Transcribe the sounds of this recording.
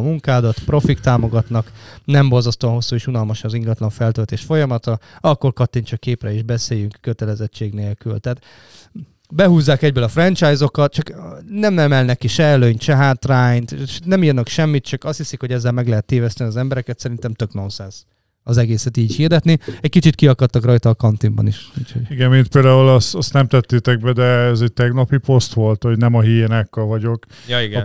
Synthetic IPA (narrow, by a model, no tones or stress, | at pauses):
muŋkaːd̪ɒt̪pro̞fik̚t̪aːmo̞ɡɒt̪nɒknɛmbo̞lzɒst̪oːɒnɦo̞sːuːeːʃunɒlmɒʃnziŋɡɒt̪lɒɱfɛlt̪øːlt̪eːʃfo̞jɒmɒt̪ɒɒkːo̞rkɒt̪ːint͡ʃɒkːeːprɛiʒbɛseːjyŋkːøt̪ɛlɛzɛt͡ʃːeːɡneːlkylt̪aːt̪ | bɛɦuːzːaːkɛɟ̚bøːlɒfrɛnt͡ʃajzo̞kɒt̪̚t͡ʃɒknɛmnɛmɛlnɛkiʃɛːløɲt̪ʃɛɦaːt̪raːjɲnt̪ʃnɛmiːrnɒkʃɛmːit̪̚t͡ʃɒkɒst̪hisikho̞ɟɛzːɛlmɛɡlɛɦɛt̪ːeːvɛst̪ɛniɒzɛmbɛɾɛkɛt̪sɛɾint̪ɛmt̪ø̞kno̞nsɛns | ɒzɛɡeːsɛt̪iːɟhird̪ɛt̪niɛckit͡ʃit̪kiɒkɒt̪ːɒkrɒjt̪ɒːkɒnt̪imbɒ̰niʃuːcho̰ɟiɡɛnint̪̚peːld̪aːulɛst̪ɒst̪nɛmt̪ɛt̪ːeːt̪ɛɡ̚bɛd̪ɛɛzɛɟ̚t̪ɛɡnɒpipo̞st̪ʋo̞lt̪ho̞ɟnɛmɒɦiːenakːɒvɒɟo̞k | jiɡ